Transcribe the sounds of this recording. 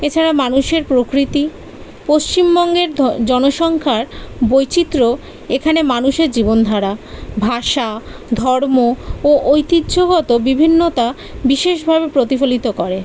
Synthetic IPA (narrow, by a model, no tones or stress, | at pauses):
et͡ɕʰaɾamanuʃeɾpɾokɾit̪i | poʃt͡ɕimbɔŋɡeɾd͡ʑɔnoʃɔŋkʰaɾbojt͡ɕit̪ːɾo | ekʰanemanuʃeɾd͡ʑibond̪ʱaɾabʱaʃad̪ʱɔɾmooʔojt̪id̪ːd͡ʑoɡɔt̪obibʱinːot̪a | biʃeʃbʱabepɾot̪ifolit̪okɔɾe